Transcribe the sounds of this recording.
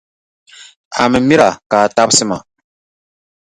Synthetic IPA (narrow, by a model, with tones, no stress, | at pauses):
a̰˨mɨ˨mi˦ɾa˨kaː˨ta˦bsɨ˦ma˨